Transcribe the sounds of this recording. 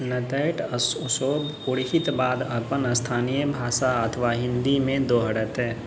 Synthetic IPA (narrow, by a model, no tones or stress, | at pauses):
nət̪əʈəssoːb | ʊɽɪɦɪt̪baːd̪ɐpənəst̪ʰaːnijəbʱaːʃaɐt̪ʰəʋaɦɪ̃nd̪imẽd̪oːɦəɽət̪ɦɛ̃ː